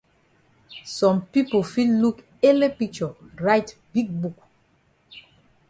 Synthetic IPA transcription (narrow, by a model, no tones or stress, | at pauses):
sɔ̃mpipofilluk | elepik̚t͡ʃɔɹaɪtbiɡ̚buk